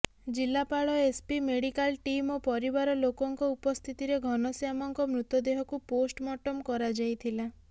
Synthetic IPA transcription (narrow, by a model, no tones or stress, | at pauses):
d͡ʒilːapaɭɔespimeɽikalʈimopɔɾibaɾɔlokɔŋkɔupɔst̪ʰit̪iɾeɡʱɔnɔsjamɔŋkɔmɾut̪ɔd̪eɦɔkuposʈmɔʈɔmkɔɾad͡ʒajt̪ʰila